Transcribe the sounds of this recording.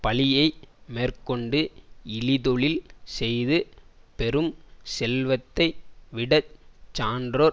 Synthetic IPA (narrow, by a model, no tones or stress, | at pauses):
pɐlɪjɐɪmeːrkɔɳɖɯɪlɪðɔɭɪlsɛjðɯpɛɾɯmsɛlʋɐt̪ːɐɪʋɪɽɐt͡ʃːaːndɾoːɾ